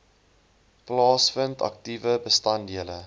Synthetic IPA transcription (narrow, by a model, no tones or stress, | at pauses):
plɑːsfəntɐ̰k̚tivəbəstɐndiələ